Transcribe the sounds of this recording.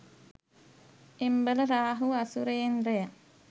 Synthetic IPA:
embələɾaːɦuɐsuɾejenreja

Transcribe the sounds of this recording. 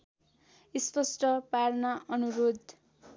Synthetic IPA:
ispʌsʈʌpaɾnaʔʌnuɾod̪

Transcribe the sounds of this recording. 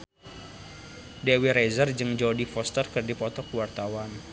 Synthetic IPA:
dewiɾezərd͡ʒɨŋd͡ʒɔdifɔst̪ərkɨrdipɔt̪ɔkuwart̪awan

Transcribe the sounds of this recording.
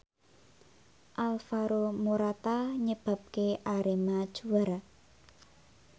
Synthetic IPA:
ʔalfaɾomuɾat̪aɲəb̥a̤p̚keʔaɾemad̥ʒ̥uar

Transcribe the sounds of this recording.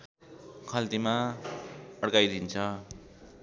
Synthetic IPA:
kʰʌlt̪ima | ʌɽkajd̪ʱint͡sʰʌ

